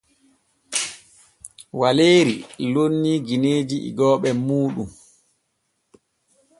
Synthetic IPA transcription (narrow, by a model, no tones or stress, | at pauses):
waleːɾilonːiːɡineːd͡ʒiʔḭɡɔːɓɛmuːɗum